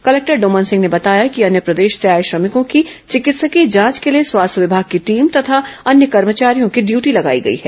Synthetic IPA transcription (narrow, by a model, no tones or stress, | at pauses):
kɐlɛːk̚ʈəɾɖoːmənsɪ̃ŋɡnebɐt̪aːjakiɐnjəpɾɐd̪eːʃseaːjeʃɾɐmɪkõkit͡ʃɪkɪt̪səkid͡ʒãːt͡ʃkelieswaːst̪ʰəʋɪbʱaːɡ̚kiʈiːmt̪ɐt̪ʰaɐnjəkɐɾmət͡ʃaːɾijõkiɖjuːʈilɐɡa̰ːiɡɐḭɦɛː